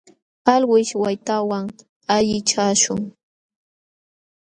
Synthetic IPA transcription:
alwɪʃwajt̪awaŋ | aʎɪt͡ʃaːʃʊŋ

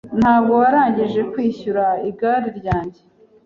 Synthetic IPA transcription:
n̥haːb̚ɡo̞waɾaːɲɟiʒe̞kwiːçuɾaiɡaːɾiɾɟaːɲɟe

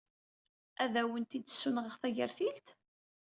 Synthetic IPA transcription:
æðæwənt̪id̪sːʊnʁəʁθæʝəɾθilt̪

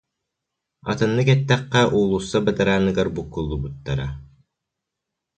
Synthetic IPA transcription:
ɑ̰t̪ɯ̆nːɯkɛt̪ːæqːæʔuːlˠusːabɐt̪aɾaːnɯɡaɾbukːulˠːubut̪ːaɾa

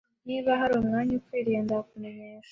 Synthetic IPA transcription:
niːβaɦaɾoːmŋaːɲukweːɾeːndakunemeːnz̥e

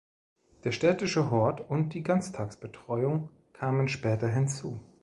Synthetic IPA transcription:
d̥eːɐʃtɛːtɪʃəɦɔɐtʊnt̚d̥iːɡant͡stʰaːksb̥ətʁ̥ɔʏʊŋ | kʰaːmənʃpɛːtɐɦɪnt͡suː

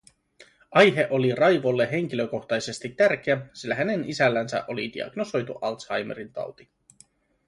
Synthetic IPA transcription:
ɑjɦe̞ʔo̞lirɑjʋo̞lːe̞ɦe̞ŋ̟k̟iløko̞xt̪ɑjse̞st̪it̪ːærk̟eæsilːæɦæne̞nisælːænsæ̰ʔo̞lid̪ḭɑ̰ɡ̥no̞so̞jt̪uʔɑlt̪sɑjmḛɾint̪ɑ̰wt̪i̥

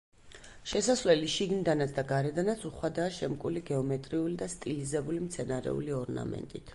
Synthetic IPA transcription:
ʃɛsasvlɛliʃiɡnid̪anat̪sʰd̪aɡaɾɛd̪anat̪suχwad̪aːʃɛmkʼuliɡɛɔmɛt̪ʼɾiulid̪ast̪ʼilizɛbulimt̪sʰɛnaɾɛ̰ṵliɔɾna̰mɛ̰nt̪ʼit̪ʰ

